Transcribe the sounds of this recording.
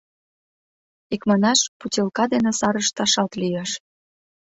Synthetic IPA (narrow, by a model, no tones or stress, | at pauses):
ikmɑnɑʃputʲelkɑd̪enesɑɾəʃt̪ɑʃɑt̪lijɑʃ